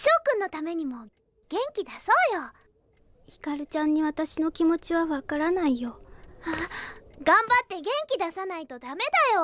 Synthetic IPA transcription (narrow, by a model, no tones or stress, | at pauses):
ɕo̞ːkɯ̟̃nːo̞t̪ame̞ɲ̟imo̞ | ɡ̥ẽ̞ŋkʲid̪aso̞ːjo̞ | hi̥kaɾɯ̟t͡ɕãɲ̟ːiβat̪aɕino̞kʲimo̞t͡ɕiβaβakaɾanaijo̞aɡãmbat̪ːe̞ɡẽ̞ŋkʲid̪asanait̪o̞d̪ame̞d̪ajo